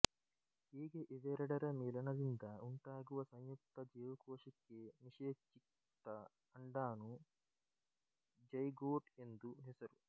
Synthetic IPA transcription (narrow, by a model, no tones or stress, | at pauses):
iːɡeʔiʋeɾɐɽɐɾɐmiːlɐnɐd̪ind̪ɐuɳʈaːɡuʋɐsɐɲjuk̚t̪ɐd͡ʒiːʋɐkoːʂikːemiʂeːt͡ʃːik | t̪ɐ | ɐɳɖaːnu | d͡ʒɐjɡoːʈend̪uɦisɐɾu